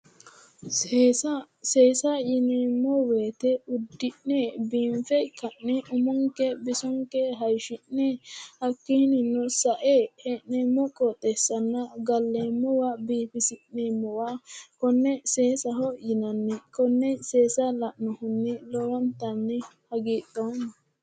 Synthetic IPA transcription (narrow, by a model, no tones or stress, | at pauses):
sa | seːsɐjɪneːmːɔweːt̪ɛʊd̪ːɪʔnebiːmfɛkɐʔnɛʔʊmʊŋkɛbɪsɔŋkɛɦɐjʃɪnːɛhɐkːɪhnɪnːɔsɐʔeːhɛnneːmːɔkʼɔt̪ʼːɛsɐnːɐɡɐlːeːmːɔwabiːfɪsɪʔːeːmːɔwakɔnːɛseːsɐɦɔjɪnɐnːɛkɔnːɛseːsalɐʔnɔhʊnːɪlɔwɐnt̪ɐnːɛhɐɡiːt̪ːɔn